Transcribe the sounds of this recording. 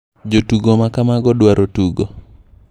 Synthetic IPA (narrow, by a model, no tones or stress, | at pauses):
d͡ʒotuɡomakamaɡɔdwaɾotuɡo